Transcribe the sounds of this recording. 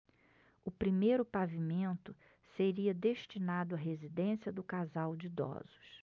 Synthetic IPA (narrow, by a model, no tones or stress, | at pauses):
ʊpɾimejɾʊpavimẽnt̪ʊ | seɾiɐd̪eʃt͡ʃinad̪ʊɐɦezid̪ẽsiɐd̪ʊkazawd͡ʒɪd̪ɔ̰z̥ʊ̥s